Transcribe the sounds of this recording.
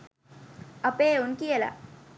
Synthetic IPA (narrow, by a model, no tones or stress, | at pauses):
ɐpeːunkijɐla̰